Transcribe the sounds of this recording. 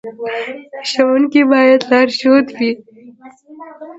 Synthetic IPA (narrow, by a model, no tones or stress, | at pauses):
ʃawunkebɑːjad̪lɑɾʃot̪wi